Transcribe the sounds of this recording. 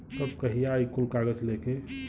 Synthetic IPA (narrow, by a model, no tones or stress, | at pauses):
səbkəɦijajkulkaɡəd͡ʒleke